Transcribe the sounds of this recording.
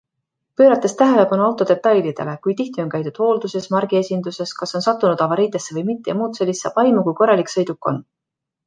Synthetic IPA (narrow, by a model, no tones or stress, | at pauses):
pø̞ːɾɑt̪ːˑe̞st̪æɦe̞le̞pɑnuɑwt̪ːˑo̞d̪e̞t̪ːˑɑjlid̪̥e̞̰le̞kujt̪iht̪ionkæjt̪ud̪̥ho̞ːld̪use̞smɑrɡ̥ie̞sʲind̪use̞skɑso̞nsɑt̪ːˑunud̪ɑvɑɾiːd̪e̞sːe̞vɤ̞jmit̪ːejɑmuːt̪se̞lʲːisːɑ̰ːb̥ɑjmukujko̞rːɑliksɤ̞jd̪̥ukːo̞̰n